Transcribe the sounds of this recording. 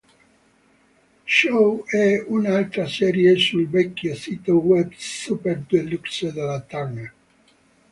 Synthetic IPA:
ʃowɛunaalt̪ɾasɛɾjesulbɛkːjosit̪ewɛbsupeɾd̪eluksed̪elat̪ana

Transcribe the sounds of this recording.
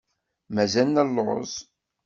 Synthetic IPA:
mæzælnælːoʁə̰zˤ

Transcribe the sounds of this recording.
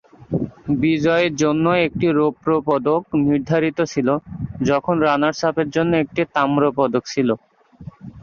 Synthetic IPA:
bid͡ʑɔeɾd͡ʑonːoek̚ʈiɾopɾopɔd̪okniɾd̪ʱaɾit̪ot͡ɕʰilod͡ʑɔkʰonɾanaɾsapʰeɾd͡ʑonːoek̚ʈit̪amɾopɔd̪okt͡ɕʰilo

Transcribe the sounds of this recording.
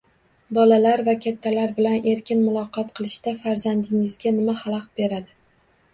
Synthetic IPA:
bɒlalaɾvakʲʰat̪ʰːalaɾbɪlane̞ɾkʲɪnmʊlˠɒqʰɒt̪qʰɨlˠɪʃd̪̥afaɾzand̪ɪŋɪzɡʲanɪmahalˠɒq̚be̞ɾad̪ɪ

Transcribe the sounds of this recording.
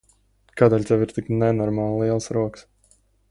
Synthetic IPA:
kaːd̪ɛːlʲt̪ɛviɾt̪iknɛnɔɾmaːlˠlˠiɛlˠsɾuɔks

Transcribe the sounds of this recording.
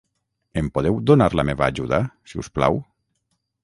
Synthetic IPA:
empoðewd̪onaɾlameβaːʒuðasiṵspla̰w

